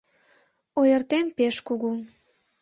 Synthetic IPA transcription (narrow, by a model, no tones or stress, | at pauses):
ojərt̪empeʃkuɣu